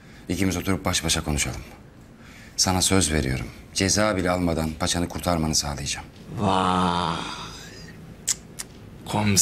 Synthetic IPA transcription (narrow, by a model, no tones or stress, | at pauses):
icimizo̞t̪ʰuɾup̚baʃbaʃakʰo̞nuʃalˠɯm | sanasøzve̞̰ɾḭjo̞ɾṵm | d͡ʒe̞zaːbilʲɛalˠmad̪anpʰat͡ʃʰanɯkʰuɾt̪ʰaɾmanɯsaːlˠɯjad͡ʒaːm | va | kʰom